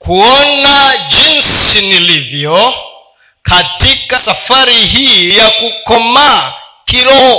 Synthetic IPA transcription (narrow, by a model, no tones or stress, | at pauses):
kʰuɔnad͡ʒinsinilivjɔ | kʰatikasafaɾiɦiiijakukɔmakiɾɔ